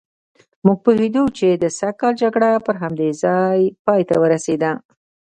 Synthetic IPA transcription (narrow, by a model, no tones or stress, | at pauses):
muɡ̚pohed̪ut͡ʃed̪əsakːɑld͡ʒaɡɽapəɾɦamd̪ezɑjpɑjt̪awəɾased̪a